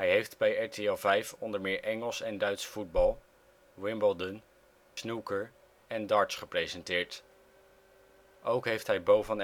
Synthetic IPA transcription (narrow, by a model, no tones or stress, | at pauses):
ɦɛjɦejftbɛjɛɹtʰeɛlˠvɛjfɔndəɹmɪːɹʔɛŋəlˠsɛndœɥtsfud̚bɑlˠ | wɪmbəlˠdən | snukəɹ | ɛndɑːɹtsχəprejzɛntɪːɹt | ʔowkɦejftɦɛjbowvən